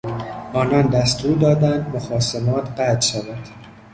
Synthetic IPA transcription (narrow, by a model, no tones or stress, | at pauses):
ʔɒːnɒnd̪æst̪uːɾd̪ɒːd̪ænd̪moxɒːsemɒːt̪ʰɢæd̪ʃævæd̪̥